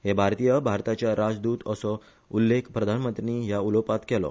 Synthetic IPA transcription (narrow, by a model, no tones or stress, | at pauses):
ɦebʱaɾt̪ijəbʱaɾt̪at͡ɕjaɾad͡zd̪uːt̪əsɔ | ulːekʰpɾəd̪ʱanmənt̪ɾiniɦjaulopat̪kɛlɔ̰